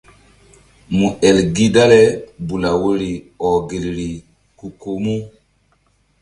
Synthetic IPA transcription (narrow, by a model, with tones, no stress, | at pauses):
mu˨e˨lɡi˦da˦le˦bu˨la˨wo˦ɾi˨ | ɔ˨ɡe˨lɾi˨ | ku˨ko˨mu˦